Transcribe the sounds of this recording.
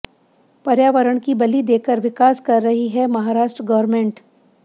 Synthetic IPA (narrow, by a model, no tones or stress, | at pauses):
pɐɾjaːʋəɾəɽ̃kibɐlid̪eːkəɾʋɪkaːskɐɾːɐɦiɦɛmɐɦaːɾaːʃʈɾəɡɐʋəɾmẽːɳʈ